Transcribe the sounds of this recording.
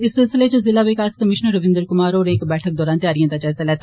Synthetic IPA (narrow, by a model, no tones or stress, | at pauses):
ɪsːɪlsɪlet͡ʃəzɪlaʋɪkaːskəmɪʃnəɾːəʋɪ̃nd̪əɾkʊmaːɾɔːɾeːkbɛːʈʰək̚d̪ɔːɾaːnt̪jaːɾijãd̪at͡ʃaːzalɛːt̪a